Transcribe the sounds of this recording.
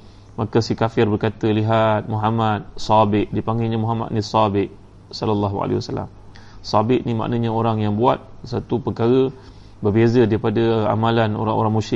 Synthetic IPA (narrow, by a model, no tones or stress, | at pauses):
makasikafɪrbərkat̪əliɦat̪̚muɦamat̪̚sabɪʔdipaŋɡiɲamuɦama̰t̪̚nisabɪʔ | sɔləlːaɦua̰la̰wasala̰m | sabɪʔnima̰ʔnaɲaoɾaŋjaŋbua̰t̪̚sat̪upəkaɾə | bərbezədaɾipadəa̰malano̰ɾa̰ŋo̰ɾaŋmũʃɪ